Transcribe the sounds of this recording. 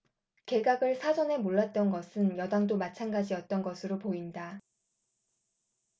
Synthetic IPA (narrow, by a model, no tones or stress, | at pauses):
ke̞ɡaɡɯɭsʰad͡ʑʌne̞moɭːat̚t͈ʌnɡʌsʰɯnjʌdaŋdomat͡ɕʰanɡad͡ʑiʌt̚t͈ʌnɡʌsʰɯɾopoinda